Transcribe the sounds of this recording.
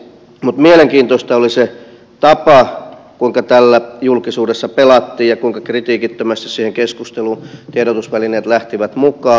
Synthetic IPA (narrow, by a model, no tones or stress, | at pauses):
mut̪mieleŋkiːnt̪ost̪ɑolise | t̪ɑpɑ | kuiŋkɑt̪ælːæjulkisuːdesːɑpelɑt̪ːiːjjɑkuiŋkɑkrit̪iːkit̪ːømæst̪issiːheŋkeskust̪eluːnt̪ieɾot̪usʋælineːt̪læht̪iʋæt̪mukɑː